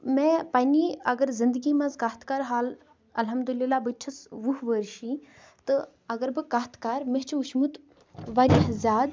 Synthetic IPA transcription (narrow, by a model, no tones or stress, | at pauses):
mẽːpɐːniːɐɡəɾzind̪əɡiːmãzkaːɦt̪ʰkaːɾɦaːl | ɐlɦɐmd̪ulilːaːbɨt͡ʃʰɐsʋuɦʋəɾʃiː | t̪ɨ | ɐɡɐɾbɨkaːɦt̪ʰkaːɾmeɦt͡ʃʰuʃmut̪ | ʋaːɾiɦɐzʲaːd̪